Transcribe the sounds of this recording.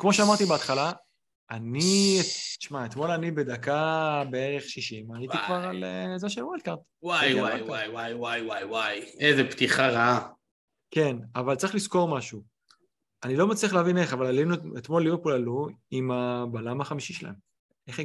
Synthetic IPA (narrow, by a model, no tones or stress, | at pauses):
kmo̞ʃeamaʁt̪ibeat̪χala | anieʃmaet̪mo̞lanibe̞d̪akabeeʁe̞χʃiʃimajit̪ikvaʁalezeʃelwald̪̚kaʁt̪wajwajajwajwajwajwajezept̪iχaʁaa | ke̞navalt͡saʁiχlisko̞ʁmaʃu | anilo̞mat͡sliaχleavine̞χavalalinuet̪mo̞lːibepulaluimabalamaχamiʃiʃela̰nu | eχ